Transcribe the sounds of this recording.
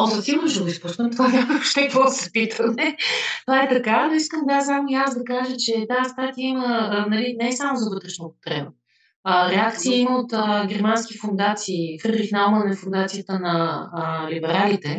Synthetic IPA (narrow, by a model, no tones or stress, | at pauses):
ok̪ɐt̪imodɛʃd̪əɡ̪oisposnəmt̪ovanʲaməvoʃt̪ɛkəvɔd̪ɐsɛ̥pit̪ʰəmɛt̪ovaɛt̪ɐkavənoiskəmvasamojasd̪ɐkaʒət͡ʃɛt̪aːst̪at̪iəimənɐlinɛsamozɐvɤt̪ɾɛʃnopo̥k̪ɾɛpə | əɾɛakt̪siəiməot̪əɡʲɛɾmanskifond̪at̪siːkəɾɾixnalmənɛfond̪at̪sijət̪ənɐəlibɛɾalit̪ɛ